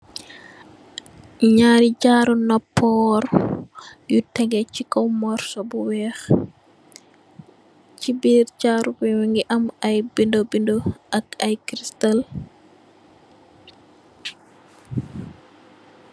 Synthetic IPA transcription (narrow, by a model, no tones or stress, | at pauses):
ɲaːɾid͡ʒaɾunɔpʰːɔɾ | jutːɛŋɡɛt͡ʃikɔwmɔɾsɔbɔwɛx | t͡ʃibiɾd͡ʒaːɾukɛwiŋɡɛʔamajbindɔbindɔakajkɾistal